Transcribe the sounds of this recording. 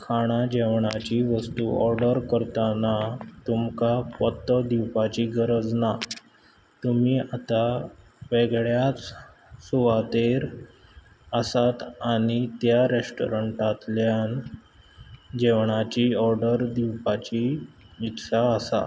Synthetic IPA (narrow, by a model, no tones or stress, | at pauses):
kʰaɽ̃ad͡ʑeʋɳ̃at͡ɕiʋəst̪uɔ̰ɾɖəɾkəɾt̪anat̪umkapət̪ːəd̪iwpat͡ɕiɡəɾəd͡zna | t̪umiːat̪a | ʋeɡɭjat͡s | suʋat̪eɾ | əsat̪aɽ̃it̪jaɾesʈo̰ɾəɳʈat̪ljan | d͡ʑeʋɳat͡ɕiɔɾɖəɾd̪iwpat͡ɕi | it̪saəsa̰